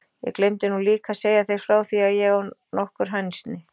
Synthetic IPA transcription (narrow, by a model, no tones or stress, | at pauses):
jɛ̰ɣklejmt̪ɪnuliːkaseːjaθejɾ̥fɾaːwθiaðjɛɣɔnɔhkʏɾ̥ɦajnst̪nɪ